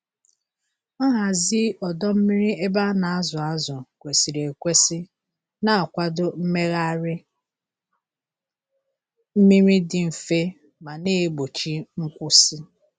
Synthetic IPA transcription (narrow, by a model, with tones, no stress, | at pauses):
ɔ˦ɦa˨zi˦ɔ˨dɔ˦m̩˦mi˦ɾi˦e˦ba˦na˨a˦zʊ˨a˦zʊ˨kʷe˨si˨ɾe˨kʷe˦sɪ˦ | na˦a˨kʷa˦dʊ˦m̩˦me˦ɣa˦ɾɪ˦ | m̩˦mi˦ɾi˦dɪ˨m̩˨fe˦ | ma˨neː˦ɡ͡bo˨t͡ʃi˦ŋ̩˦kʷʊ˦si˦